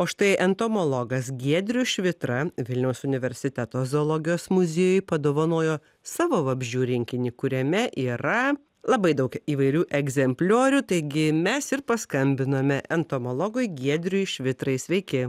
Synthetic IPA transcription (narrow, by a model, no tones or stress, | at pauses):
oːʃt̪ɐɪʔɛnt̪oːmoːlˠɔɡɐsɡʲiɛd̪ʲɾʲʊʃʲʋʲɪt̪ɾɐʋʲɪlʲnʲɛʊsʊnʲɪʋʲɛɾʲsʲɪt̪ʲæt̪oːzoːlˠɔːɡʲɪjoːsmʊzʲeːjʊjpɐd̪oːʋɐnoːjoː | sɑːʋoːʋɐbʲʒʲuːɾʲɪŋʲkʲɪnʲiːkʊɾʲɛmʲɛʔiːɾɐ | lˠɐbɐɪd̪ɐʊkiːʋɐɪɾʲuːʔɛɡzʲɛmʲpʲlʲoːɾʲut̪ɐɪɡʲɪmʲɛsɪɾpɐskɐmʲbʲɪnoːmʲɛʔɛnt̪oːmoːlˠɔːɡoɪɡʲiɛd̪ʲɾʲʊjʃʲʋʲɪt̪ɾɐɪsʲʋʲɛɪkʲɪ